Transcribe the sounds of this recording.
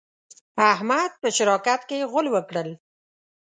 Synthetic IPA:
ahmad̪̚pəʃɪɾɑkat̪keɣʊlwəkɽəl

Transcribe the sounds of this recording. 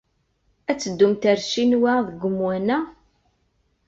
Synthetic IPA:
æt͡sːəd̪ːumt̪æɾʃinwæðəɡʷʊmwænæ

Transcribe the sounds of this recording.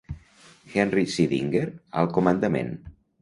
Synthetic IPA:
xɛnrisiðḭŋɡeɾə̰lˠkumənd̪amḛn

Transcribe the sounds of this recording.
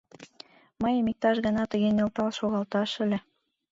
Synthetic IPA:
mɤjmik̚t̪ɑʃɣɤ̆nɑt̪ə̆ɣenʲĕlt̪ɑlʃoɣɑlˠt̪ɑʃɘ̆lʲɘ̆

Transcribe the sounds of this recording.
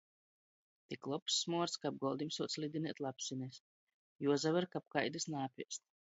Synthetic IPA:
t̪iklˠɔpsːmuɔɾskab̚ɡɔlˠd̪imsuɔt̪slʲid̪ʲinɛt̪ʲlˠapsinʲɛsʲ | juɔzavaɾkapkajd̪ɨsnaːpʲiɛst̪

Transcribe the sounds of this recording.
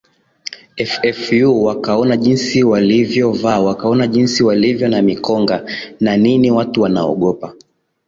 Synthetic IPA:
ɛfɛfjuwakaɔnaʄinsiwalivjɔvawakaɔnaʄinsiwalivjɔnamikɔŋɡananiniwatuwana̰ɔ̰ɠɔpa

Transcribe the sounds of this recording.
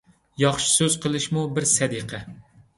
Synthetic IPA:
jɑχʃi̥søz̥qʰəlˠɨʃmubɪɾsɛd̪iqʰɛ

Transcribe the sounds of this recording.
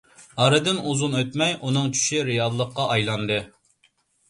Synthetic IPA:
ɑɾɨd̪ɪnuzunøt̪mɛjunɨŋt͡ʃʰy̥ʃiɾɨjɑlˠːəqːɑʔɑjlˠɑnd̪ɨ

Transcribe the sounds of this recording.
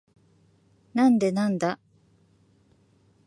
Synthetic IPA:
nãnd̪e̞nãnd̪a

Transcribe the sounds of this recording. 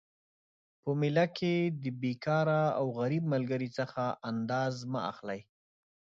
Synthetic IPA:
pəmɪlakʰed̪əbekɑɾaawɣaɾibməlɡəɾit͡səxaʔand̪ɑzmaa̰xlaj

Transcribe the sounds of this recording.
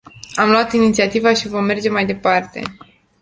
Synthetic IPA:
amloat̪init̪siat̪ivaʃivo̞mːe̞rd͡ʒe̞majd̪e̞part̪e̞̰

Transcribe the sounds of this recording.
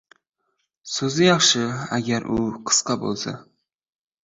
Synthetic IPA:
sɵzɪjɑχʃɪaɡʲaɾʔʊqʰɨ̥sqɑbo̰lˠsa̰

